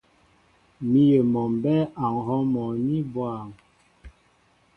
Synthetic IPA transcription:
mi˦je˨mɔ˨m˨bɛ˦a˨ŋɦɔ˦mɔ˨ni˦bwa˦˨ŋ

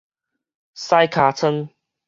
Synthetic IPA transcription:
sa˦jkʰa˨˩t͡sʰə˦n

